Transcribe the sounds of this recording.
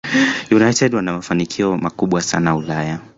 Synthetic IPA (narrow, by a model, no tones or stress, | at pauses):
junajtɛdwanamafanikʰiɔmakuɓwasa̰naulaja